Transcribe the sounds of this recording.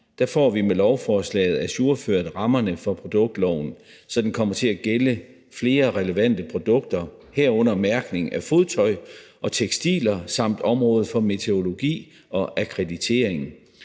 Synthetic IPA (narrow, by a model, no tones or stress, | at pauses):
d̥æfɒ̰ːʋimelɒʊfɒːslɛ̰ːɪð̞̩ˠæsuɐføɐd̥ʁɑ̈mɐnəfɒ̽pʰʁo̝d̥ɔ̽ɡ̥̚d̥lɒʊ̰n̩ | sɒ̽d̥enkʰɒ̽m̰ɐt͡sʰe̝læɡ̥elə | fle̝ːɐʁɛləʋæn̰d̥əpʰʁo̝d̥ɔ̽ɡ̥̚d̥ɐ | heɐ̰ɔ̽n̰ɐmæɐɡ̥ne̝ŋæfo̝ðˠt͡sʰɒ̽ɪʔɒ̽t͡sʰeɡ̥sd̥ḭːlɐsɑ̈m̰d̥ɒ̽mʁɔ̽ːð̩ˠfɒ̽me̝t͡sʰeo̝lo̝ɡ̥ḭː | ɒ̽ʔækʰʁed̥it͡sʰe̝̰ːɐ̰e̝ŋ